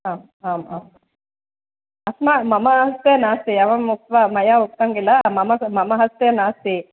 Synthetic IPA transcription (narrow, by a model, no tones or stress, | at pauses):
aːm | aːmaːma | ɐsmamɐmɐɦɐst̪enaːst̪iɐʋɐmuk̚t̪ʋamɐjauk̚t̪ɐŋɡilɐmɐmɐmɐmɐɦɐst̪enaːst̪i